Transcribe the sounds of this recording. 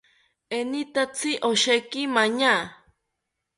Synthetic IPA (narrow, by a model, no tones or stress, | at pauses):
enit̪at͡sʰiʔoʃekimaɲa